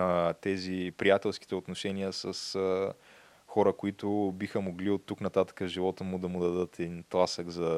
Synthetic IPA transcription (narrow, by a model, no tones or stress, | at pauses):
t̪ɛzipɾijat̪ɛlˠsk̟i̥t̪ɛot̪noʃɛnijəsəsə | xɔɾəkʊit̪ʊbixəmoɡliot̪ːuknɐt̪at̪ə̥kəʒivɔt̪əmʊd̪ɐmʊd̪ɐd̪ət̪ɛd̪int̪lˠasəɡzɐ